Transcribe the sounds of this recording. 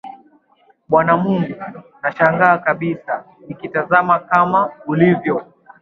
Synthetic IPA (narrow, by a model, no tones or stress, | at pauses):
ɓwanamuŋɡunaʃaŋɡaːkaɓisa | nikitazamakamaulivjɔ